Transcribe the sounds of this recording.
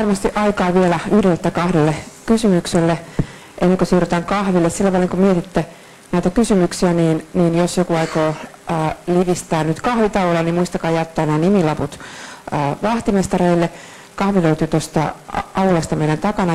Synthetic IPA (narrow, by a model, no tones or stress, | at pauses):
ɑrmɑst̪iʔɑikɑːʋielæyhɾiet̪ːækɑhdelːekysymykselːe | ʔenːeŋkøsyːryt̪æːŋkɑhʋilːessilːæʋɑlːiŋkomiet̪it̪ːe | næˑit̪ækysymyksiæniːnniːnjosjokuɑikoː | liʋist̪æːnnyt̪kɑhʋit̪ɑuolennimuist̪ɑkɑːjɑt̪ːæːnæːnimilɑput̪ː | ʋɑht̪imest̪ɑreilːe | kɑhʋiløyt̪yːt̪ost̪ɑ̰ɑulɑst̪ɑmeiɾænt̪ɑkɑnɑ